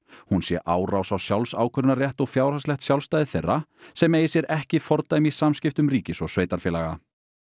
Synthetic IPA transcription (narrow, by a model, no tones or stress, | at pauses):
hunsjɛʔaːwrawsawsjawlsaːwkʰœɾnaɾjɛht̪ɔɣfjaːwɾ̥haslɛxt̪sjawlst̪ajðɪθejrːasɛmeːjɪsjɛɾʔɛhcɪfɔɾt̪amisamscɪft̪ʏmɾiːcɪsɔɣsveːjt̪aɾ̥fɛːlaɣa